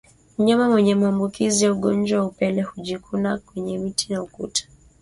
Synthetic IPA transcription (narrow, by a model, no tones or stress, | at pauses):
muɲamawɛɲɛmaːmbukizijauɠɔnd͡ʒwawaupɛlɛhuʄikʰunakwɛɲɛmitʰinaukṵtʰḁ